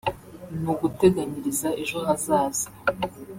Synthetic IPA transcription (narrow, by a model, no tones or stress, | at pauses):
nuɡute̞ɡaɲiɾizaʔe̞ʒohazaːza